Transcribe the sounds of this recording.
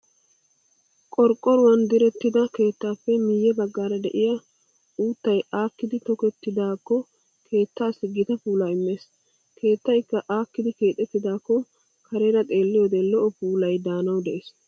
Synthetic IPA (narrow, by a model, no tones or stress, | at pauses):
kʼɔɾkʼːɔɾʊwɐnd̪ɪɾɛt̪ːɪd̪ɐke̞ːt̪ːaːpːɛmiːjːɛbɐɡːaːɾɐd̪ɛ̰ʔɪja | uːt̪ːɐjaːkːɪd̪ɪt̪ɔkɛt̪ːɪd̪aːkːɔ | kʰe̞ːt̪ːaːsɪɡɪt̪ɐpuːlɐɪmːe̞ːs | kʰe̞ːt̪ːɐjkːɐʔaːkːɪd̪ɪkeːt̪ʼːɛt̪ːɪd̪aːkːɔ | kɐɾeɾɐt̪ʼe̞ːlːɪjɔd̪ɛlɔʔɔpuːlɐjd̪aːnɐwd̪ɛʔeːs